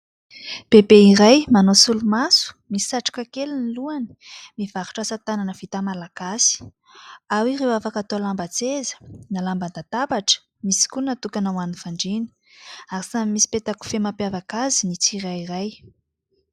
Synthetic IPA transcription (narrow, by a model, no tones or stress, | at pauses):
b̥ebeiɾajmanosulumasu̥misi̥saʈ͡ʂḁkakeliniluani̥ | miv̥aɾu̥ʈ͡ʂasat̪ananəvit̪amalaɡasi̥ | awirewafakat̪oalambat͡sezə̥nalamband̪at̪abaʈ͡ʂə̥ | misi̥kunat̪ukanawanifaɳɖ͡ʐini̥ | aɾisamimisi̥pet̪aku̥femapjavakazinit͡sirairaj